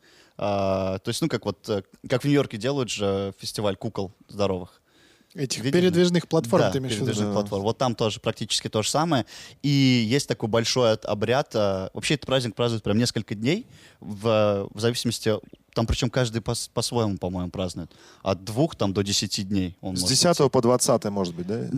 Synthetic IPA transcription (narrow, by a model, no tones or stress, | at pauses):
at̪o̞ɪsʲtʲnukakvo̞t̪əkakvnʲʊjo̞rkʲɪdʲe̞lˠʊjʊt̪ʐəfʲɪsʲtʲɪvalʲkukəlˠzd̪ɐɾo̞vɨx | ɛtʲɪxvʲidpʲɪɾʲɪd̪vʲiʐnɨxplˠɐt̪ffoɾmaɪmʲɪɾʲɪvʲiʒnxplˠɐt̪fo̞rmvo̞t̪ːamt̪o̞ʐəɨpɾɐk̚tʲit͡ɕɪ̥skʲɪt̪o̞ʐəsaməjəijesʲtʲt̪ɐko̞jbɐlʲʂo̞jɐt̪ɐ̰bɾʲat̪avɐpɕːeɛt̪ət̪pɾazʲnʲɪk̚pɾaznʊɪt̪̚pɾʲamnʲe̞skəlʲkədʲnʲejvəvzɐvʲisʲɪməsʲtʲɪt̪ampɾʲɪt͡ɕo̞mkaʐd̪ɨjpɐspɐsvojɪmʊpɐmo̞jɪmʊpɾaznʊjʊt̪ | ɐ̰t̪̚d̪vuxt̪amd̪o̞dʲɪsʲɪtʲidʲnʲejo̞nzʲodʲɪsʲat̪əvəpəd̪vɐt̪sat̪ɨjəmoʐət̪̚bɨt̚ʲd̪a